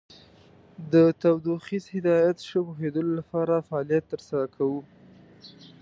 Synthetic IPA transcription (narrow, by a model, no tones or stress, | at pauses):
d̪ət̪awd̪uxizhɪd̪ɑjat̪ʃəpoɦed̪əlolapɑɾafaɑlijat̪ːəɾsaɾakʰawu